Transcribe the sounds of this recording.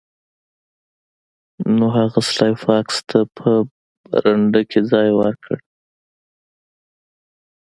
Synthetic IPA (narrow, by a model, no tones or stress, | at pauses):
noɦaɣaslɑjfɑkst̪ʰapʰə | ɾaɳɖəkʰed͡zɑjwə̰ɾkʰə̰ɽ